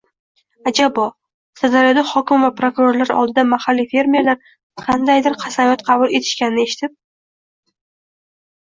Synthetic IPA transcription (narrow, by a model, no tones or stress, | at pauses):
ad͡ʒabɒ | sazaɾjɒd̪ahɒkʲɪmvapɾokuɾo̞ɾlaɾɒ̰lˠd̪ɪd̪amahalːife̞ɾme̞ɾlaɾ | qʰɑnd̪ajd̪ɪɾqʰɑsamjɒt̪qʰɑbʊlˠe̞t̪ʰɪ̥ʃkʲanɪnɪe̞ʃɪ̥t̪ʰɪp̚